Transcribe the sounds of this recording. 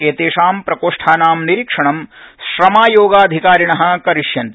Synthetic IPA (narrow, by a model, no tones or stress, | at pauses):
eːt̪eːʂaːmpɾɐkoːʂʈʰaːnaːmniɾikʂɐɳɐmʃɾɐmaːjoːɡaːd̪ʱikaːɾiɳɐɦɐ̆kɐɾiʂjɐnt̪i